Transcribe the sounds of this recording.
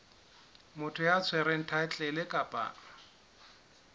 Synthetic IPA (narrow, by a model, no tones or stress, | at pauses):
mʊtʰʊjat͡sʰwɛɾɛn̩tʰat͡ɬʼɛlɪkʼapʼa̰ːna